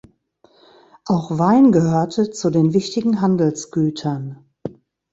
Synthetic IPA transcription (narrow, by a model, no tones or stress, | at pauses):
ʔaʊxv̥aɪnɡəhøːɐtʰət͡sudeːnvɪçtɪɡŋ̩ɦandl̩sɡ̥yːtʰɐn